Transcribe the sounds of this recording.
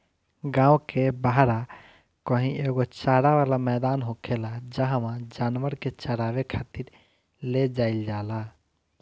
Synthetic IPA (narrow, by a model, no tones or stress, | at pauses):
ɡãːwkebaɦɾa | kəɦĩʔeɡot͡ʃaɾaʋalamɛd̪anɦokʰelad͡ʒaɦmãd͡ʒanʋəɾket͡ʃəɾawekʰat̪iɾ | led͡ʒaild͡ʒala